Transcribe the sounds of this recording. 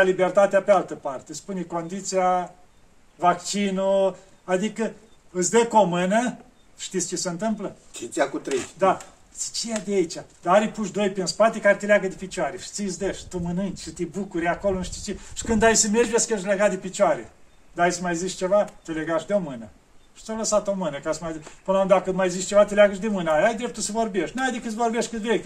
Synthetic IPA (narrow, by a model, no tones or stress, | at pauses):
alibert̪at̪eapealt̪əpart̪espuneko̞nd̪it̪sia | vakt͡ʃinu | ad̪ikə | ɨsʲd̪əkomɨnə | ʃt̪isʲt͡ʃeseɨnt̪ɨmplək̪ʰit̪siakut̪ɾḛd̪a | si̥t͡ʃejad̪eait͡ʃʲad̪aaɾijpuʃ̬d̪o̞jpinspat̪ekaɾet̪elʲeaɡəd̪epit͡ʃaɾeʃi̥t̪isd̪eʃt̪umənɨnt͡ʃʲʃit̪ebukuɾʲakolonʃt̪i̥t͡ʃeʃi̥kɨnd̪ajsəmerd͡ʒeskeʃʲleɡat̪̚d̪epit͡ʃwaɾe | d̪ajsəmajziʃt͡ʃe̞vat̪eleɡaʃd̪eomɨnə | ʃi̥t͡ʃ̪aləsat̪omɨnəkasmajzipɨnloũmd̪d̪akəmajeziʃt͡ʃe̞vat̪elʲeaɡəʃ̬d̪emɨnaajd̪ɾep̚t̪usəvo̞rbe̞ʃt̪nuajd̪ekɨt̪svo̞rbeʃt̪̚ʲkɨt̪vɾek̪